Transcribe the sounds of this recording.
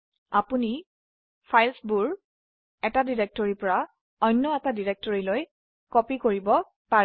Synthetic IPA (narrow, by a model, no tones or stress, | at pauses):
apuni | pʰajlsbuɹ | ɛtadiɹɛk̚tɔɹipɔɹa | ɔjnːɔɛtadiɹɛk̚tɔɹiloj | kɔpikoɹibɔ | paɹ